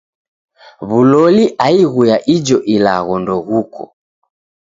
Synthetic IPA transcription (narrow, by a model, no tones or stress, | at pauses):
βulɔliʔaiɣujaʔid͡ʒɔʔila̰ɣɔndɔɣukɔ̰